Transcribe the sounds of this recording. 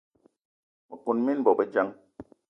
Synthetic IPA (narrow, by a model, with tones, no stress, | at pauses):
mɔ˨ku˨nmi˦nbɔ˨bɛ˦d͡ʒa˦ŋ